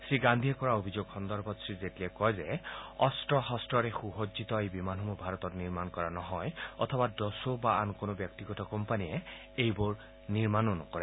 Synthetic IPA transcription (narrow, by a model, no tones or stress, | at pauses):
sɹiɡand̪ʱijɛkɔɹaobʱizoɡxɔnd̪ɔɹbɔtsɹizetiɛkɔjzɛɔstɹɔxɔstɹɔɹɛxuɦozit̪ɔejbimanɦɔmubʱaɹɔt̪ɔtniɹmankɔɹanɔɦɔjɔ̰t̪ʰɔbadɔsobaankonobjɔk̚tiɡɔtɔkɔmpaniɛ | ejbʊɹ | niɹmanonɔ̰kɔɹɛ